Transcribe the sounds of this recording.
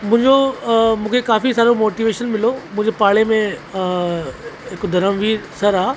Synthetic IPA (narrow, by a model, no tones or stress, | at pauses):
mũɦɪ̃ɲd͡ʑomũːkʰekaːfisaːɾomoːʈiʋeːʃənmɪlomũɦɪ̃ɲd͡ʑepaːɭemẽ | ɦɪkod̪ʱɐɾəmʋiːɾsɐɾaː